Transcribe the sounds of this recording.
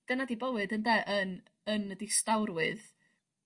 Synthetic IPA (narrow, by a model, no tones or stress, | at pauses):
d̥ənadibəwɨdəndɛʔən | ənədistawrwɨð